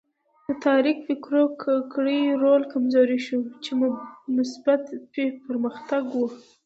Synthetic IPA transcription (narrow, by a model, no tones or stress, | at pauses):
d̪ət̪ɑɾikfɪkɾokkɽəjɾolkamzɑɾiʃut͡ʃemmʊsbat̪pepəɾməxt̪aɡwə